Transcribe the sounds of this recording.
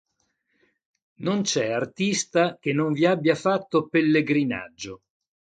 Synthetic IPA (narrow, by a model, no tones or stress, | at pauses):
nont͡ʃɛart̪ist̪ak̟enːoɱviabːjafat̪ːopelːeɡɾina̰d͡ʒːo